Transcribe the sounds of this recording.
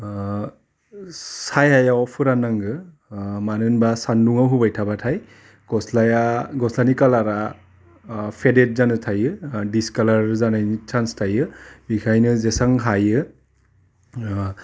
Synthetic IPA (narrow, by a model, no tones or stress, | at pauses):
sajajaɔpʰɯɾanaŋɡɯ | manɯnbasanduŋawɦubajtʰabatʰaj | ɡ̥ɔslajaɡɔslanikalaɾa | pʰedet̚zanɯtʰajɯdiskalaɾzanajnit͡ʃʰanstʰajɯbikʰajnɯzesaŋɦajɯ